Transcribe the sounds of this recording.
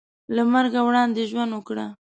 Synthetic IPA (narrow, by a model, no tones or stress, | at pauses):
lamaɾɡawɽɑnd̪eʒwand̪wəkɽa